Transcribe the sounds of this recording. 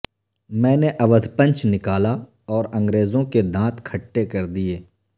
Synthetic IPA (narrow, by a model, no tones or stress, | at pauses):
mɛ̃ːneʔɐʋəd̪ʱpə̃nt͡ʃnɪkaːla | ɔːɾɐ̃ŋɡɾeːzõked̪ãːt̪kʰɐʈːekɐɾd̪ieː